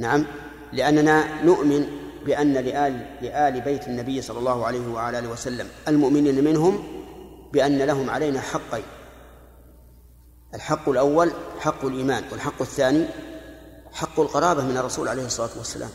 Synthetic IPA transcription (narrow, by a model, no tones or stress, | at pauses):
naʕam | lɪʔanːananʊʔmɪnbɪʔanːalɪʔalɪʔaːlɪbajt̪ɪnːabɪjːsˤɑlːɑlˤːɑːhʊʕalajhɪwaʕalaʔːlwasalːamʔalmʊʔmɪniːnamɪnɦʊm | bɪʔanːalaɦʊmʕa̰lajnaħɑqːi | ʔalħɑqːɪlʔawːalħɑqːalʔiːmaːnwalħɑqːɪθːaːni | ħɑqːʊlqɑɾˤɑːbahmɪnɑrˤːɑsṵːlʕalejhɨsˤːɑlaːt̪wasːa̰lʔa̰ːm